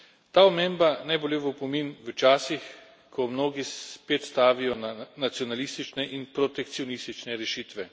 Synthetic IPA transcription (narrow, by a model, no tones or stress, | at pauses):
t̪aːɔmeːmbanajbolʲeʋopɔminʋət͡ʃaːsix | kʰɔmnoːɡispeːt̪st̪aːʋijɔnnat̪sijɔnalist̪it͡ʃnɛʔinpɾɔt̪ɛk̚t̪siɔnist̪it͡ʃnɛɾɛʃiːt̪ʋɛ